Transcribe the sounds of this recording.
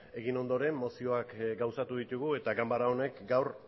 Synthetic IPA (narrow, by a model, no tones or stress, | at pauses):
e̞ɣino̞nd̪o̞ɾe̞mːo̞sio̞akɡawsat̪uðit̪uɣ̞ue̞t̪aɡambaɾao̞ne̞kɡawɾ